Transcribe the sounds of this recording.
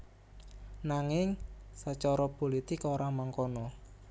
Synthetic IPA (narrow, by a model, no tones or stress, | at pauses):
naŋɪŋsət͡ʃɔɾɔpolit̪ɪkoɾamaŋkɔnɔ